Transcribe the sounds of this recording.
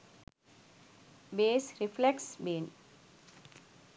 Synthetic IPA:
beːsɾɪfleksbeːn

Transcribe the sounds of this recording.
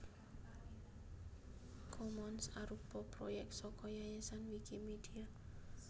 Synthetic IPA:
kʰɔmɔnsaɾupɔpɾojɛk̚t̪sɔkɔjajɛsanwikimid̥ia

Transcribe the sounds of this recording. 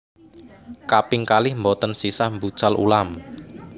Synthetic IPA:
kapɪŋkalɪhmbɔt̪ənsisahmbud̥ʒ̥alṵlam

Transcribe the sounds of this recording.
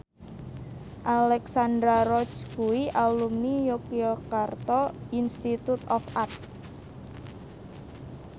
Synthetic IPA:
ʔalɛksand̪ɾaɾɔt͡ʃkuwiʔalumnijokiɔkart̪ɔinst̪it̪ut̪ɔfat̪̚

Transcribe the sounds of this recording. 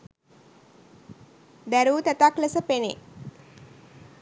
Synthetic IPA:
d̪æɾuːt̪æt̪aklesəpenḛ

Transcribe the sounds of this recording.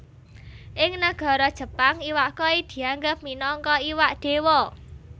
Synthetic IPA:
ʔɪŋnaɡ̥ɔ̤ɾɔd̥ʒ̥ə̤paŋiwaʔkɔid̪̥i̤aŋɡəp̚minɔŋkɔiwaʔd̪̥e̤wɔ

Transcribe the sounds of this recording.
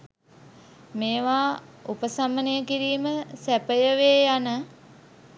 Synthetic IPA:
meːʋaːupəsamənejəkiɾiːməsæpəjəʋeːjanə

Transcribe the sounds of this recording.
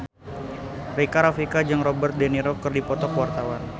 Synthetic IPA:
rikaɾafikad͡ʒaŋrɔbərt̪̚dɛniɾɔkːərdipɔt̪ɔkwart̪awan

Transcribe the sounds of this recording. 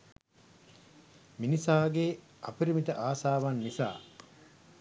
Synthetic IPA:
minisaːɡe | ʔɐ̰piɾimit̪əʔaːsaːʋanːisa̰ː

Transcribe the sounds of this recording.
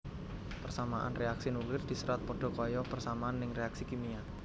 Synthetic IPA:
pərsamaʔa̰nreaksinuklɪrd̪̥i̤səɾat̪̚pɔɖ̥o̤kɔjɔpərsamaanːɪŋreaksikimia

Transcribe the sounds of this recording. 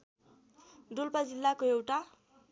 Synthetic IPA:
dulpʌd͡zilːakoewʈa

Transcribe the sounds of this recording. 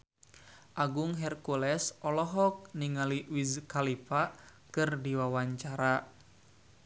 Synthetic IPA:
ʔaɡʊŋɦɛrkulɛsʔɔlɔɦɔk̚niŋaliwizkalipakɨrdiwawaɲt͡ʃaɾa

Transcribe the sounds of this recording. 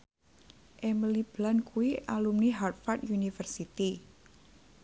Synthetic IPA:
ʔɛməlib̥lankuiʔalumniɦart̪̚fart̪junifərsit̪i

